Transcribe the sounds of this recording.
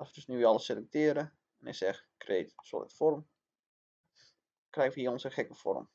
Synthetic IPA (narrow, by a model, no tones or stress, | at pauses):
ɔsʋədøsnyʋiɑləselɛk̚tɪəɾə | ɛnɛ̰sɛxkʰrḛːtso̰ːtfɔrm | krɛjəʋəiəonsəxɛkəfɔ̰rm